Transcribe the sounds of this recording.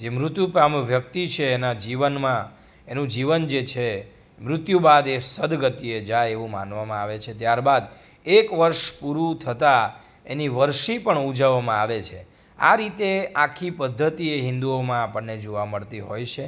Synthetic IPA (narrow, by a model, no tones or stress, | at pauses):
d͡ʒemɾʊt̪jupamʋjək̚t̪it͡ʃʰeːnad͡ʒiʋənmã | enũd͡ʒiʋənd͡ʒet͡ʃʰe | mɾʊt̪jubad̪esəd̪ɡət̪ied͡ʒajeʋũmã̰nʋamãaʋet͡ʃʰet̪jaɾbad̪ | ekʋəɾʃpuɾũt̪ʰət̪a | ḛniʋəɾʃipəɳud͡ʒəʋːamãaʋet͡ʃʰe | a̰ɾit̪eakʰːipəd̪ʱːət̪ieɦɪnd̪uomãapəɳːed͡ʒoʋaməɭt̪iɦojt͡ʃʰe